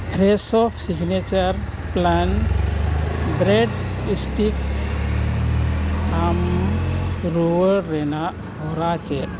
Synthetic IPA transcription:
kʰɾesɔfsiɡnet͡ɕəɾ | plan | bɾeɖisʈik | am | ɾuʋəɾːena | ɦɔɾat͡ɕe

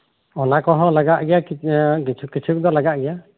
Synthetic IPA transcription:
ɔnakɔɦɔ̃laɡaʔɡɛja | ukit͡ʃʰuk̚d̪ɔlaɡaʔɡɛja

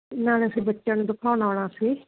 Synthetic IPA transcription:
ɪnãːleəsiːbətːʃãːnũːd̪ʊkʰaːnaːɽ̃aːsiː

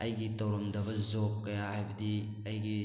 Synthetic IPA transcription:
ɐjɡitɐwɾɐmdɐbɐzokːɐjahajbɐdi | ɐjɡi

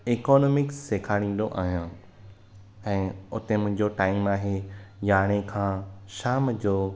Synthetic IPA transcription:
eːkɔːnɔːmɪksːeːkʰaːɽ̃ĩːn̆d̪oʔaːɦijãː | ɛ̃ːʊt̪emʊ̃ɦɪ̃ɲd͡ʑoʈaːɪmaːɦejaːɽ̃ekʰãːʃaːmd͡ʑoː

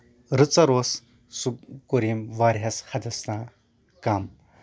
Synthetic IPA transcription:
ɾɨt͡saɾos | sukoɾimʋaɾɦashɐd̪ɐsna | kam

